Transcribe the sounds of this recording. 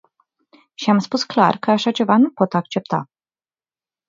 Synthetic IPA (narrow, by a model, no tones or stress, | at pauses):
ʃiamspuskla̰rkəaʃat͡ʃe̞vanupo̞t̪ak̚t͡ʃe̞p̚t̪a̰